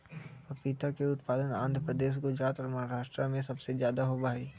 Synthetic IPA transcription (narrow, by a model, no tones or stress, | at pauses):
pit̪akeʊt̪paːd̪ənãːnd̪ʱɾəpɾəd̪eːʃ̬ɡʊd͡ʒɾaːt̪ɔːɾmɐɦaɾaːʃʈɾamẽsɐbsezjaːd̪aɦobʱaːiː